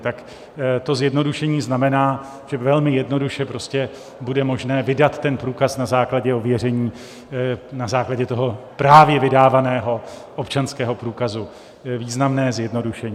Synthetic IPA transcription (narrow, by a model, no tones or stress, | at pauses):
t̪ak | t̪o̞zjɛdno̞duʃɛɲiːznamɛnaː | ʒ̥ɛvɛlmɪjɛdno̞duʃɛpɾo̞scɛ | budɛmo̞ʒnɛːvɪdat̪ːɛnpɾuːkasnazaːklaɟɛovjɛrɛɲiː | nazaːklaɟɛt̪oɦo̞pɾaːvjɛvɪdaːvanɛːɦo̞ | ʔopt͡ʃanskɛːɦo̞pɾuːkazu | viːznamnɛːzjɛdno̞duʃɛɲː